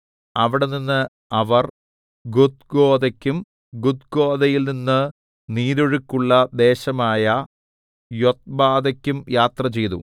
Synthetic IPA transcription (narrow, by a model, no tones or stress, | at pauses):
ɐʋiɽeninːɨ | ɐʋɐr | ɡud̪̚ɡo̞ːd̪ɐkʲːum | ɡud̪̚ɡo̞ːd̪ɐjilninːɨ | niːðoɻukːuɭːɐd̪e̞ːɕɐmaːjɐ | jo̞t̪̚baːd̪ɐkʲːumjaːt̪rɐt͡ɕe̞jt̪ṵ